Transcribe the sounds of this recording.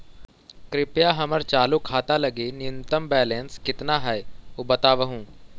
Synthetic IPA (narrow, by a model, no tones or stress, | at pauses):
kɾɪpjaɦɐməɾt͡ʃaːlukʰaːt̪alɐɡenɪʊ̃nt̪əmbɛːlẽːnskɪt̪naɦɛeobɐt̪aːʋəɦũː